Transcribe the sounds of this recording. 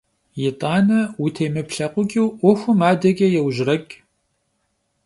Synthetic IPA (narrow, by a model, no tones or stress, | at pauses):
jɪtʼɑːnɐwʊtʰeːmɨpɬɐqʷʊɡʲʼiwʔʷɔxʷʊmaːdɐɡʲʼɐjɛwʒrɐkʼ